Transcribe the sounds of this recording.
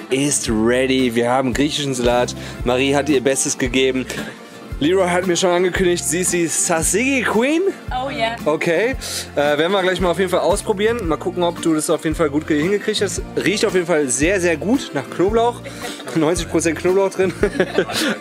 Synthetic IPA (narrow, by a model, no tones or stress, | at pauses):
ʔɪstʁɛdiviːɐhaːbm̩ɡʁiːçɪʃn̩zalaːtmaʁiːhatʔiːɐbɛstəsɡ̥əɡeːbm̩ | liʁɔɦatmiːɐʃoːnʔanɡəkʰʏndɪçtz̥iːsz̥iːsasɪɡikʰwiːn | ʔokʰeɪʔɛːveɛɐdn̩viːɡlaɪç̬maːlaʊfjedn̩falʔaʊspʁ̥obiːʁənmaːlkʰʊkŋ̩ɔpd̥uːdasaʊfjeːdn̩falɡuːt̚ɡ̥hɪnɡəkʁ̥içthɛtsʁiːçtaʊfjeːdn̩falzeːɐzeːɐɡuːtnaːχknoːblaʊx | nɔʏnt͡sɪçpʁ̥ot͡sɛnt̚kʰnoːblaʊxd̥ʁɪn